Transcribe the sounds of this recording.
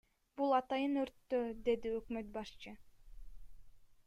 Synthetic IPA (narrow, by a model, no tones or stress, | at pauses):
bulˠɑt̪ɑjɯnøɾt̪ːød̪e̞d̪iøkmøt̪̚bɑʃt͡ʃɯ